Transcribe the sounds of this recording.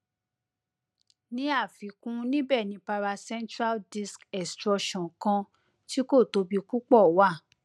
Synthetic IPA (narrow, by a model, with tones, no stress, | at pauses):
nĩ˦a˦˨fi˨˦kũ˦nĩ˦bɛ˦˨nĩ˨˦pa˧ɾa˧sɛ̃˦ntɾa˦ldi˦˧skɛ˨stɾɔ˧ʃɔ̃˨kã˧ | ti˦ko˦˨to˧˦bi˧ku˦k͡pɔ˦˨wa˦˨